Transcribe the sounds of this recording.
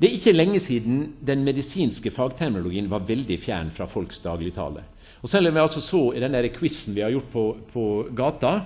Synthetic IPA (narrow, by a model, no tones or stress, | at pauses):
d̪ɛæɾɪçːəlɛŋːəsiːd̪n̩d̪ɛnmɛd̪ɪsiːnskəfɑːɡt̪ʰæɾmʊlʊɡiːənʋɑɾʋɛld̪ɪfjæ̰ːɳfɾɑfɔlksd̪ɑːɡlɪt̪ʰɑ̰ːlə̰ | ɔsɛnmʋɛɑlsɔsoːɪd̪ɛnd̪æɾəkʰwɪsn̩ʋɪhɑɾjʊʈːpʰɔpʰɔɡɑːt̪ɑ